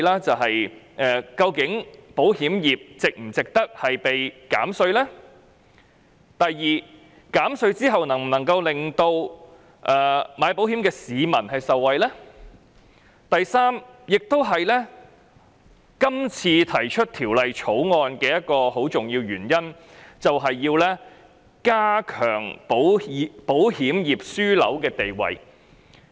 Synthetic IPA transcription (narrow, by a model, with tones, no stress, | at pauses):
laː˥t͡sɐ˨wɦɐ˨j | ʔɛ˨kɐ˧wkɪ˨˥ŋpo˨˥whiː˨˥mjiː˨p̚t͡sɪ˨k̚m̩˨˩t͡sɪ˨k̚t̪ɐ˥k̚hɐ˨jpe˨jka̰ː˨˥msɵ˧ɥlɛː˥ | t̪ɐ˨jːiː˨˩ | kaː˨˥msɵ˧ɥt͡siː˥ɦɐ˨wnɐ˨˩ŋm̩˨˩nɐ˨˩ŋkɐ˧wlɪ˨ŋt̪o˧w | ʔɛː˨maː˨˧˥jpo˨˥whiː˨˥mkɛː˧siː˨˧mɐ˨˩nhɐ˨jsɐ˨wːɐ˨jlɛ˥ | t̪ɐ˨jsaː˥mjɪ˨k̚t̪o˥wɦɐ˨jlɛː˥ | kɐ˥mt͡sʰiː˧t̪ʰɐ˨˩jt͡ʃʰɵ˥t̚t̪ʰiː˨˩wlɐ˨jt͡sʰo˨˥wŋɔː˧nkɛː˧jɐ˥t̚kɔː˧ho˨˥wt͡sʊ˨ŋjiː˧wjyː˨˩njɐ˥n | t͡sɐ˨wɦɐ˨jːiː˧wlɛː˥ | kaː˥kʰœ̰ː˨˩ŋpo˨˥wpo˨˥whiː˨˥mjiː˨p̚syː˥lɐ̰˨˥wkɛː˧t̪e˨jwɐ̰˨j